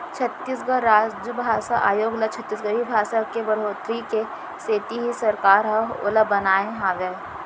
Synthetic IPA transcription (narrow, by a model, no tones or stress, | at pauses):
t͡ʃʰɐt̪ːisɡəɾaːd͡ʒəbʱaːsaʔa̰ːjoːɡlat͡ʃʰɐt̪ːiːsɡəɦibʱaːʃakebɐɽ̤oːt̪ɾike | seːt̪iɦisɐɾkaːɾɦɐo̰ləbɐnaːẽɦãːʋe